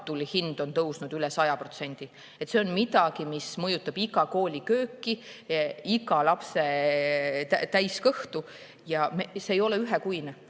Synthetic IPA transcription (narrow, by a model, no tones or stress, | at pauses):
t̪ːˑulhind̪̥o̞nt̪ɤwsnud̪ylɛsɑjɑpro̞t̪se̞nʲd̪̥i | et̪ːseonmid̪̥ɑɡ̥imismɤjut̪ːˑɑb̥iɡɑko̞ːlʲikø̞ːkːˑi | iɡɑlɑpse̞ | t̪æt̪æjskɤht̪u | jɑmeseːjo̞leyɦekujne